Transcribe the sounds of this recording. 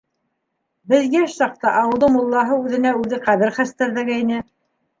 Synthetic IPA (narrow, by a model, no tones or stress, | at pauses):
bɘ̆ðɡæʃsɑq̚t̪ɑʔɑwɤ̆lˠðɤmŭlˠːɑɦɤʉðɘ̆næʉðɘqæðɘɾχæst̪æɾðæɡæjinɘ